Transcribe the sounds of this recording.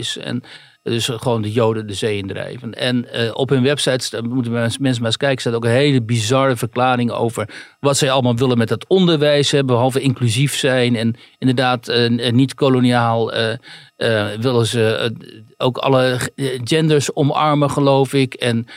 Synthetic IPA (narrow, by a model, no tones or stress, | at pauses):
ɪsɛ̰n | dʏsχəʋowndəjowdəndəzejəndrɛ̰jvənɛnɔ̰pɦɵnʋɛpsɑjtsmutəmɛns̬əmaːskɛjkə̥saːtowkənɦejləbizɑɹəvəɹklaːɾɪŋo̰wvəɹʋɑtsɛjɑləmaːlˠʋɪlənmɛt̚dɑtɔndəɹʋɛjsɦɛbəɦɑlˠvəɪŋklyzifsɛjnɛn | ɪndəɹdaːtnitkoloniaːlˠə | ʋɪlənzə | owkɑ̰ləd͡ʒɛndəɹsɔmɑ̰ɹməχəlowfɪkɛn